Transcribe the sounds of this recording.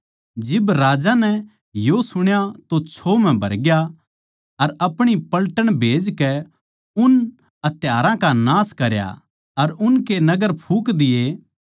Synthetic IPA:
d͡ʒɪbɾaːd͡ʒanɛ | josʊɽ̃jat̪ot͡ʃʰoːmɛ̃bʱɐ̰ɾɡja | ɐɾɐpɽ̃ipɐlʈəɽ̃bʱeːd͡ʒkɛ | ʊn | ɐt̪ɪjaːɾãkanaːskɐɾja̰ | ɐɾʊnkenɐɡəɾpʰuːkd̪ɪje

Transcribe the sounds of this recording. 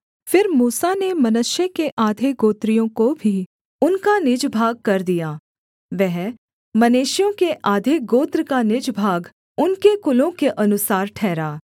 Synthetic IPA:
fɪɾmuːsanemɐnʊʃjəkeʔaːd̪ʱeɡoːt̪ɾijõkobʱi | ʊnkanɪd͡ʒbʱaːɡ̚kɐɾd̪ijaː | ʋɛɦ | mɐneːʃjõkeʔaːd̪ʱeɡoːt̪ɾəkanɪd͡ʒbʱaːɡ | ʊnkekʊlõkeʔɐnʊsaːɾʈʰɛːɾaː

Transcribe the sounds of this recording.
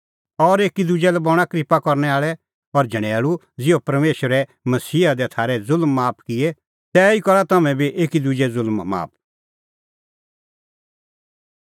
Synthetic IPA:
ɔɾeːkid̪ʊd͡ʒɛlɛbɔɽ̃akɾɪpakɔɾnɛaːɭɛ | ɔɾd͡ʒʱɐɽ̃ɛːɭu | d͡zɪopɐɾmeːʃəɾɛ | mɐsiːad̪ɛt̪ʰaːɾɛzʊlmːaːpʰkɪɛ | t̪ɛːikɔɾat̪ɐmɛ̃biʔeːkid̪ʊd͡ʒɛzʊlmːa̰ːp̚ʰ

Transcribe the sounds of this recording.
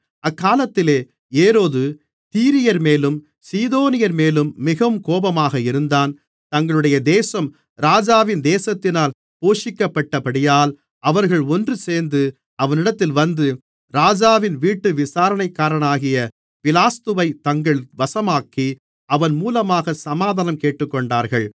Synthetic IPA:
ɐkːaːlɐt̪ːɪleː | eːɾoːðɯ | t̪iːɾɪjɐɾmeːlɯm | siːðoːnɪjɐɾmeːlɯmːɪɣɐʋɯmkoːbɐmaːɣɐɪɾɯnd̪aːn | t̪ɐŋɡɐɭɯɽɐjɐd̪eːsɐm | ɾaːd͡ʒaːʋɪnd̪eːsɐt̪ːɪnaːl | poːʂɪkːɐpːɐʈːɐpɐɽɪjaːl | ɐʋɐɾɣɐɭɔndrɯseːɾnd̪ɯ | ɐʋɐnɪɽɐt̪ːɪlʋɐnd̪ɯ | ɾaːd͡ʒaːʋɪnʋiːʈːɯʋɪsaːɾɐɳɐɪkːaːɾɐɳaːɣɪjɐ | fɪlaːst̪ɯʋɐɪt̪ɐŋɡɐɭʋɐsɐmaːkːi | ɐʋɐnmuːlɐmaːɣɐsɐmaːðɐnɐmkeːʈːɯkːɔɳɖaːɾɣɐɭ

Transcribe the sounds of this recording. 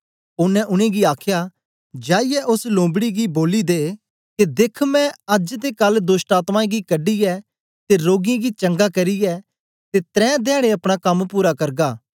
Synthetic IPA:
ʊnːɛ̃ʔʊɽ̃ẽɡiaːkʰja | d͡ʒaːɪjɛʔʊslõːmbɽiɡiboːlid̪eː | ked̪eːkʰmɛ̃ɐd͡ʒt̪ekɐld̪oːsʈaːt̪mãːẽɡikɐɖijɛ | t̪eɾoːɡɪẽɡit͡ʃɐ̃ŋɡakɐɾijɛ | t̪et̪ɾɛ̃ːd̪ɛ̃ːɽ̃eɐpɽ̃akɐmpuːɾakɐɾɡaː

